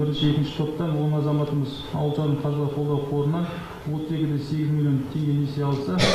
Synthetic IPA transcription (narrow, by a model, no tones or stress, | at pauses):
bɪɾɪnʃɪe̞kʲɪnʃɪ̥t̪ʰo̞pt̪ɑnwo̞nəɑzɑmɑt̪əməz | ɑ̰wlˠt̪ɑɾəɴqʰɑzˠɑqʰo̞lˠd̪ɑwqʰo̞ɾənɑn | wot̪əzekʲɪd̪ese̞ɡʲɪzmilʲjo̞nt̪ʰe̞ŋɡʲene̞seɑlˠəsə